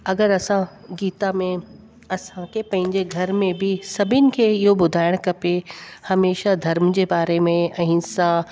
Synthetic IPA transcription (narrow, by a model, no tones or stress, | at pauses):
ɐɡəɾɐsã | ɡiːt̪amẽ | ɐsãkʰepɐ̃ɦɪ̃ɲd͡ʑeɡʱɐɾmẽbʱisɐbʱɪnɪ̆kʰeːɪɦobʊd̪ʱaːɪɽ̃kɐpehɐmeːʃad̪ʱɐɾmd͡ʑeːbaːɾemẽɐ̃ɦɪ̃sã